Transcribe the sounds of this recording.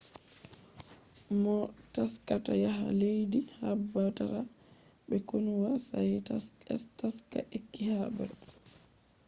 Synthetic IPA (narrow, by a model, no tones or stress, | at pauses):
mɔtaskatajaɦa̰lejdihabːataɾa | ɓɛkonuwasajtaɛstaskaʔekːihabɛ̰ɾ